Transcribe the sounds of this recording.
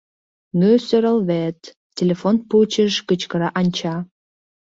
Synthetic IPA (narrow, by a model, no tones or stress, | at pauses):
nøsøɾəlβet̪ːʲ | elʲefonput͡ɕəʃkət͡ɕkə̆ɾɑʔɑnʲt͡ɕɑ